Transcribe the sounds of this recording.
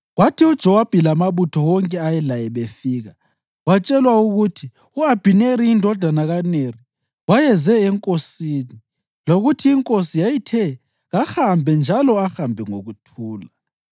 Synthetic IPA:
ɣwatʰiud̥ʒ̥ʱɛwab̥ʱilamaβutʰɔwɔŋkʼɛajɛlajɛβefiːɣa | wat͡ʃʼɛlwauɣutʰi | uab̥ʱineɾiːndʱɔd̥ʱanaɣaneri | wajɛzɛɛŋkʼosiːni | loɣutʰiːŋkʼosijajitʰɛ | ɣaxambʱɛnd͡ʒʱalɔaxambʱɛŋoɣutʰuːla

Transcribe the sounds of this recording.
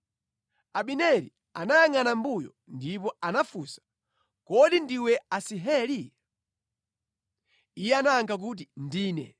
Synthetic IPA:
aɓinɛɾḭ | a̰najaŋanambujɔ | ndip̬ɔanafusḁ | kɔɗindiwɛasiɦɛli | ijɛanaaŋɡak̬ut̬indiːnɛ̰

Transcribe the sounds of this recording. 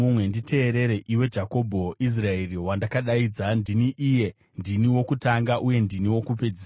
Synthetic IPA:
umwe̞nditʰe̞ːɾe̞ɾe̞ʔiwe̞d͡ʒako̞bʱois̬rae̞riwandakaɗaiːd͡zandiniʔije̞ | ndiniwo̞kutaŋɡaʔuje̞ndiniwo̞kupe̞d͡zia

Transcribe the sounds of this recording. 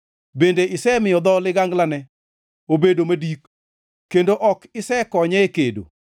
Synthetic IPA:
bendeʔɪsɛmɪjɔd̪ɔlɪɡaŋɡlanɛ | obedomadik | kːendoʔɔkɪsɛkɔɲɛekedo̰

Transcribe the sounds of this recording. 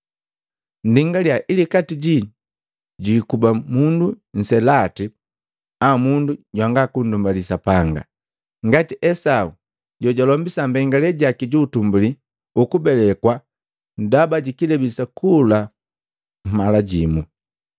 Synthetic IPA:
n̩diŋɡaljaʔilikatiɟi | ɟikubamundun̩sɛlati | amunduɟwaŋɡakundumbalisapaŋɡa̰ | ŋɡatiʔɛsau | ɟɔɟalɔmbisambɛŋɡalɛɟakiɟuːtumbuli | ukubɛlɛkwa | n̩dabaɟikilɛbisakʰula | m̩malaɟimu

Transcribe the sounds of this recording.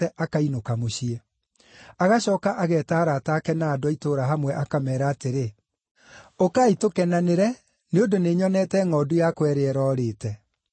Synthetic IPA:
ɛʔakainokamoɕiɛ | aɣaɕɔːkaʔaɣɛːtaːɾataːkɛnaːdoaitoːɾaɦamwɛʔakamɛːɾaːteɾe | okaitokɛnaneɾɛ | neondoneɲɔnɛtɛŋɔdujakwɛɾeɛɾɔːɾeːtɛ

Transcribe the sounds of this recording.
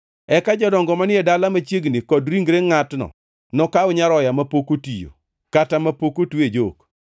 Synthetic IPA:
ɛkad͡ʒɔdɔŋɡɔmanɪɛdalamat͡ʃjeɡnikɔdɾiŋɡɾeŋatnɔ̰ | nɔkaʊɲaɾɔjamapokotijo̰ | katamapokotwed͡ʒok

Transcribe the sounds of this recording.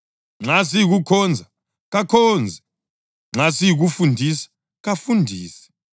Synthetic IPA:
ŋ͡ǁasijik̬ukʰɔnd͡zʱa | k̬akʰɔːnd͡zʱɛ | ŋ͡ǁasijik̬ufundʱisḁ | kafundʱiːsɛ̥

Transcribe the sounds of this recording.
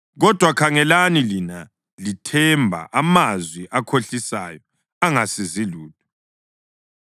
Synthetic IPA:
ɣɔd̥ʱwakʰaŋɛlanilina | litʰɛmbʱa̰ʔamazwiʔakʰoɬisa̰jɔ | aŋasiziluːt̚u

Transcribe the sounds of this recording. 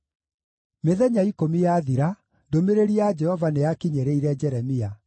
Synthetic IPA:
meðɛɲaikomijaðiɾa | domeɾeɾiad͡ʒɛhɔvanejakiɲeɾeiɾɛd͡ʒɛɾɛmia

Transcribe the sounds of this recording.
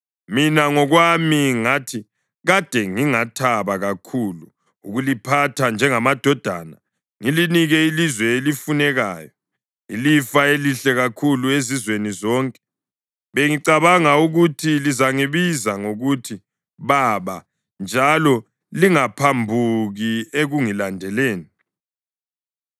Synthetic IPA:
minaŋɔɣwamiŋatʰi | ɣad̥ʱɛŋiŋatʰaβaɣakʰuːlu | uɣulipʰatʰand͡ʒʱɛŋamad̥ʱɔd̥ʱa̰ːna | ŋiliniɣɛilizwɛelifunɛɣaːjɔ | ḭlifaeliɬɛɣakʰuluezizwenizɔːŋkʼɛ̥ | βeŋiǀaβaŋauɣutʰilizaŋiβizaŋoɣutʰi | βaβa | nd͡ʒʱalɔ | liŋapʰambʱuɣieɣuŋilandʱɛleːni

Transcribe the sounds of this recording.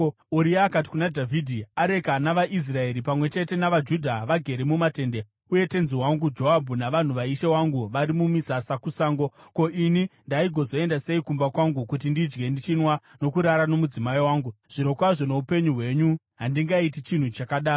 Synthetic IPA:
uɾiaːkat̬i̥kunadʱavidʱiaɾe̞kanaʋaʔis̬rae̞ɾipamwe̞t͡ʃe̞te̞naʋad͡ʒudʱaʋaɡʱe̞ɾemumate̞ːnde | uje̞te̞nziwaŋɡud͡ʒo̞ɦabʱunaʋan̤uʋaiʃewaŋɡuʋaɾimumisasakusaːŋɡo̞ko̞ʔinindaiɡʱo̞zo̞e̞ndase̞ikumbakwaŋɡukut̬indid͡ʒɡe̞ndit͡ʃinwano̞kuɾaɾano̞mud͡zimaiwaːŋɡuʐ̥ino̞kwaʐo̞no̞upe̞ɲuɦwe̞ɲu | ɦandiŋɡait̬it͡ʃin̤ut͡ʃakaɗaː

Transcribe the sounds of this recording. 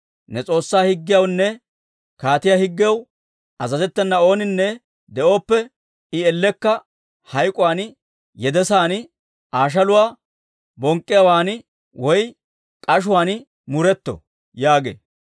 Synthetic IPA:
nɛt͡sʼo̞ːsːaːhɪɡːɪjɐwnːɛ | kaːt̪ɪjahɪɡːɪjɐw | ɐzɐzɛt̪ːɛnːɐo̞ːnɪnːɛ | d̪ɛʔo̞ːpːɛ | ɪɛlːɛkːɐ | hɐjkʼʊwaːn | jɛd̪ɛsaːn | ʔaːʃ̬ɐlʊwaː | bɔŋkʼːɪjɐwaːn | wɔj | kʼɐʃ̬ʊwaːn | mʊɾɛt̪ːɔ̰ | jaːɡḛː

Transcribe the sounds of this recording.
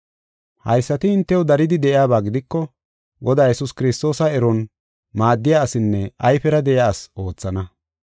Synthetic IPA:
hɐ̰jsːɐt̪ɪɪnt̪ːɛwɔd̪ɐɾɪd̪ɪd̪ɛʔɪjaːbaːɡɪd̪ɪkːɔ | ɡɔd̪aːjɛsʊskɪɾɪst̪o̞ːsɐɛɾɔn | maːd̪ːɪjaːsɪnːɛʔɐjfɛɾɐd̪ɛʔɪjaːso̞ːt͡sːɐnɐ

